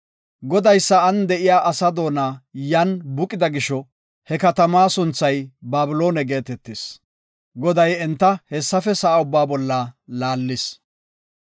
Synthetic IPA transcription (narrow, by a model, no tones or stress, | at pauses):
ɡɔd̪ɐjsːɐɐnd̪ɛʔɪjaːʔɐsɐd̪o̞ːnaːjɐnbʊkʼɪd̪ɐɡɪʃɔ | hɛkɐt̪ɐmaːsʊnt͡sːɐjbaːbɪlo̞ːnɛɡe̞ːt̪ɛt̪ːɪs | ɡɔd̪ɐjɛnt̪ːɐhɛsːɐfɛsɐʔɐʊbːaːbɔlːɐlaːlːɪs